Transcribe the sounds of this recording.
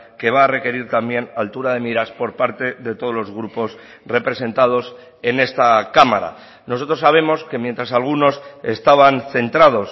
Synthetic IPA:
ke̞βaːre̞ke̞ɾiɾt̪ambje̞nalt̪uɾaðe̞miɾaspo̞ɾpaɾt̪e̞ðe̞t̪o̞ð̞olo̞zɣɾupo̞s | re̞pɾe̞se̞nt̪að̞o̞s | e̞ne̞st̪akama̰ɾa̰ | noso̞t̪ɾo̞saβe̞mo̞ske̞mje̞nt̪ɾasalɣ̞uno̞se̞st̪aβanθe̞nt̪ɾað̞o̞s

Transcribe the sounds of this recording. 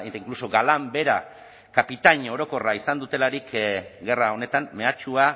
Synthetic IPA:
et̪aiŋkluso̞ɡalambe̞ɾa | kapit̪aɲo̞ɾo̞ko̞raisand̪ut̪e̞laɾikɡe̞rao̞ne̞t̪amːe̞at͡ʃua

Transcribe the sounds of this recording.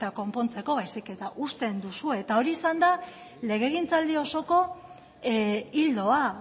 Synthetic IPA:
t̪ako̞mpo̞nt͡se̞ko̞βajsike̞t̪aʔust̪e̞nd̪usue̞ːt̪ao̞ɾiːsand̪a | le̞ɣ̞e̞ɣ̞int͡sald̪io̞so̞ko̞ | ild̪o̞a

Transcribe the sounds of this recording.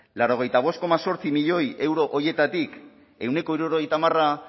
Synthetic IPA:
laɾo̞ɣ̞e̞jt̪aβ̞o̞s̚ko̞maso̞ɾt͡simiʎo̞je̞wɾo̞ʔoje̞t̪at̪ik | e̞wne̞ko̞iɾuɾo̞ɣ̞e̞jt̪amara

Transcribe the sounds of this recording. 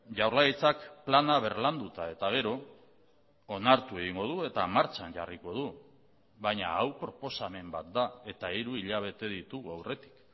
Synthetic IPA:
ʝawɾlait͡sakplanaβ̞e̞ɾland̪ut̪ae̞t̪aɣ̞e̞ɾo̞ | onaɾt̪ue̞ɣiŋɡo̞ðue̞t̪amaɾt͡ʃaɲɟa̰riko̞ð̞u | βaɲa̰awpɾo̞po̞same̞mbat̪̚d̪ae̞t̪aiɾuiʎaβ̞e̞t̪e̞ðit̪uɣawre̞t̪i̥k

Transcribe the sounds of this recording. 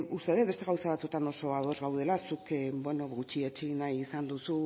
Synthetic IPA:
ust̪e̞ðebe̞st̪e̞ɣawsaβat͡sut̪ano̞so̞aðo̞zɣawðe̞lasukbweno̞ɣut͡ʃiet͡ʃinajisand̪usu

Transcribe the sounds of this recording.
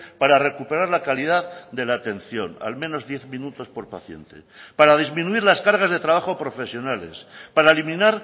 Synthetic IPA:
paɾare̞kupe̞ɾaɾlakalið̞aðd̪e̞laːt̪e̞nθjo̞̰na̰lmẽno̞zðje̞θmĩnut̪o̞spo̞ɾpaθje̞̰nt̪ḛpaɾað̞izmĩnuiɾlaskaɾɣ̞azðet̪ɾaβ̞axopɾo̞fe̞sjo̞nale̞̰spaɾaelimĩnaɾ

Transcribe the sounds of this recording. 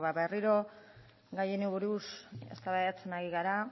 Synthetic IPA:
βaβe̞riɾo̞ | ɡajenuβuɾuse̞̰st̪aβajat͡senaɣiɣaɾa

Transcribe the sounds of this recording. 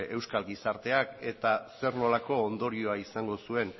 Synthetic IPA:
e̞wskalɡisaɾt̪e̞ake̞t̪ase̞ɾno̞lako̞ːnd̪o̞ɾio̞aisaŋɡo̞sue̞n

